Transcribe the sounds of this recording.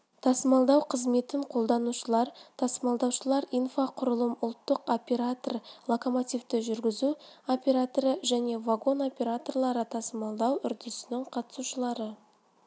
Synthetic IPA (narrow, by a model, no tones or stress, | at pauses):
t̪ʰɑsəmɑlˠd̪ɑwqʰəzme̞t̪ɪɴqʰo̞lˠd̪ɑnuʃəlˠɑɾt̪ʰɑsəmɑlˠd̪ɑwʃəlˠɑɾijnfaqʰʊɾəlˠəmʊlˠt̪ːəqo̞pʲe̞ɾat̪orlˠokomot̪ʲijft̪ɪʒʏɾɡʲɪzuo̞pʲe̞ɾat̪oɾəʒæne̞vaɡo̞no̞pʲe̞ɾat̪o̞rlˠɑɾət̪ʰɑsəmɑlˠd̪ɑwʏɾd̪ɪsɪnɪɴqʰɑt̪ə̥suʃəlˠɑɾə